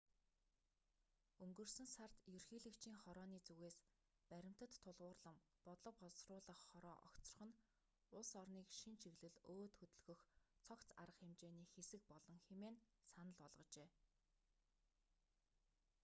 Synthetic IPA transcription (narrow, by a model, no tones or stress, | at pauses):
ɵŋɡɵ̆rsɵ̆nsar̥t̪jɵrxiːɮɘ̆kt͡ɕʰiːŋχɔɾɔːniːt͡suɣeːs | pæɾʲɪ̆m̥t̪ə̆t̪ʰːʊɮʁʊːrɮə̆m | pɔt̪ɮɞ̆p̚ɔɮsrʊːɮə̆χːɔɾɔ̰ːʔɔ̰kt͡sɞ̆r̆χɞ̆n | ʊɮsɔrniːkʃint͡ɕʰiɣɮɘ̆ɮoːt̪xɵt̪ɵ̆ɮɣɵ̆xt͡sʰɔkt͡sa̰ɾə̆χxemt͡ɕeːniːxesɘ̆k̚pɔɮɞ̆ŋxemeːn | sanə̆ɮɔɮʁɞ̆t͡ɕeː